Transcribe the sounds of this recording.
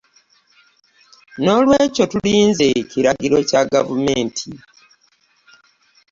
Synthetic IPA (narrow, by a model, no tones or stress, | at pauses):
no̞lwe̞ːco̞tuliːnzeciɾaɡiɾo̞caɡavume̞ːntʰi